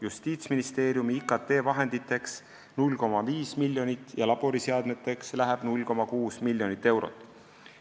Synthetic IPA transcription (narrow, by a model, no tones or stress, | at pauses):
just̪iːt̪sminist̪e̞ːɾjumiikˑɑt̪ːe̞ːvɑɦe̞nd̪it̪ːˑe̞ks | nulʲko̞mɑviːsmilʲjo̞nit̪ˑːjɑlɑb̥o̞ɾiseɑd̪̥met̪ːˑe̞kslæɦæb̥nulʲko̞mɑkuːsmilʲjo̞nit̪ːe̞wɾo̰t̪ːˑ